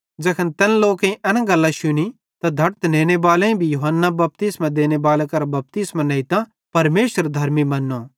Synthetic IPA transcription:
d͡ʒɐkʰənt̪ɛnloːkẽĩʔɐnãɡɐlːãʃʊni | t̪ad̪ʱɐɾt̪neːñebaːleĩbʱijʊɦənːabɐp̚t̪ɪsmãd̪eːnebaːlekɐɾbɐp̚t̪ɪsmãnɐɦit̪ã | pɐɾmeːʃəɾd̪ʱɐɾmimɐnːo

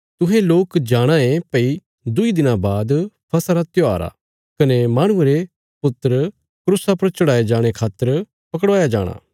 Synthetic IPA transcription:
t̪ʊɦeloːkd͡ʒaːɽ̃aẽpɐi | d̪ʊid̪ɪnãbaːd̪pʰɐsɾat̪joaːɾa̰ | kɐnemaːɽ̃ʊ̃eɾe | pʊt̪ːəɾ | kɾʊsapɐɾt͡ʃʊɽaːed͡ʒaːɽ̃ekʰaːt̪ːəɾ | pɐk̬ɽʋaːjad͡ʒa̰ːɽ̃a̰ː

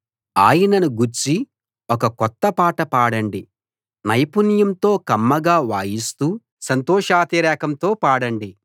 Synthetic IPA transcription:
aːjɐnɐnuɡuɾt͡ʃi | ɔkɐkɔt̪ːɐpaːʈɐpaːɽɐɳɖi | nɐjpunjɐmt̪o̞ːkɐmːɐɡaːʋaːjist̪uː | sɐnt̪ɔːʂaːt̪iɾɛːkɐmt̪o̞ːpaːɽɐɳɖi

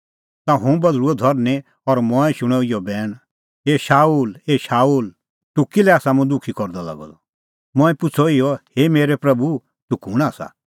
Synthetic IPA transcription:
t̪ãɦũbɐd̪ɾuɔd̪ʱɔɾnẽ | ɔɾmɔ̃ɛ̃ʃʊɽ̃ɔijɔbɛːɽ̃ | ɦeːʃaːuːleːʃaːuːl | t̪ʊkilɛaːsamũd̪ʊkʰikɔɾd̪ala̰ɡɔ̰d̪ɔ | mɔ̃ɛ̃pʊt͡sʰɔɪjɔheːmeːɾɛpɾɐbu | t̪ʊkuːɽ̃aːsa̰

